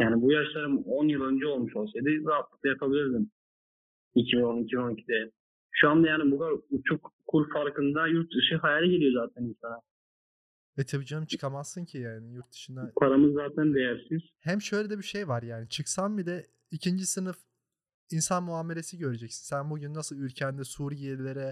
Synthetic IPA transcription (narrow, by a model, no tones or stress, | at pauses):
jaːnibujaʃlˠaɾɯmonjɯlˠø̞nd͡ʒɛo̞lˠmuʃolˠsad̪ɯat̪lˠɯk̚lˠajapʰabilʲiɾd̪im | icʰibino̞nicʰibinonicʰid̪ɛ | ʃuand̪ajaːnibukʰaɾut͡ʃʰukkʰːuɾfaɾkʰɯnd̪ajuɾt̪̚d̪ɯʃɯɦajalʲɛɟelʲijo̞zaːt̪ʰæniʃsana | ɛt̪ʰabid͡ʒamt͡ʃʰɯ̥kʰamazsɯncʰijaːnijuɾt̪̚d̪ɯ̥ʃɯnd̪apʰaɾamɯzːaːt̪ʰænd̪ejæɾsiz̥hæmʃø̞jlʲed̪ɛbiʃejvaɾjaːnit͡ʃʰɯksanbid̪ɛ | icʰind͡ʒisɯnɯf | insanmuaːme̞le̞siɟø̞ɾed͡ʒɛcsi̥nsænbuɟynːasɯlˠylʲcʰænd̪ɛsuːɾiielʲeɾɛ